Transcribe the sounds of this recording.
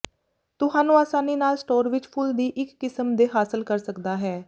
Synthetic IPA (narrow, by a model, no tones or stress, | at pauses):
t̪ʊɦaːnũːaːsaːniːnaːlsʈoːɾʋɪt͡ʃpʰʊld̪iːʔɪkːɪsəmd̪eːɦaːsəlkəɾsəkd̪aːɦɛː